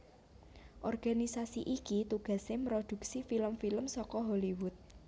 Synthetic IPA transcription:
ʔɔrɡ̥a̤nisasiʔikit̪uɡ̥a̤semɾod̪̥ṳk̚sifiləmfiləmsɔkɔɦoliwʊt̪̚

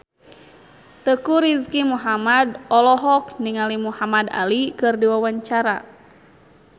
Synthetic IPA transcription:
t̪əkuɾiskimuɦamadɔlɔɦɔk̚niŋalimuhamada̰likɨrdiwawaɲt͡ʃaɾa̰

